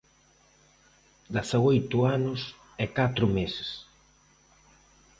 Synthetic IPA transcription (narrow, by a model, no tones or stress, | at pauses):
d̪aθaojt̪ʊanʊs | ɛkat̪ɾʊmesɪ̥s